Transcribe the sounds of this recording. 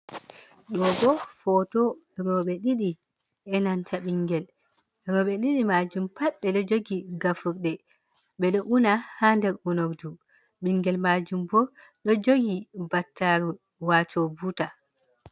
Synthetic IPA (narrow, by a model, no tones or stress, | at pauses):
ɗɔɡɔfɔtɔ | ɾɔɓɛɗiɗi | ɛnantʰaɓiŋɡɛl | ɾɔɓɛɗiɗimad͡ʒumpaɓːɛɗɔd͡ʒoɡiɡafuɾɗɛ | ɓɛɗɔʔunahandɛɾunoɾdu | ɓiŋɡɛlmad͡ʒumbɔɾ | ɗɔd͡ʒoɡibatːaɾu | watʰɔbuta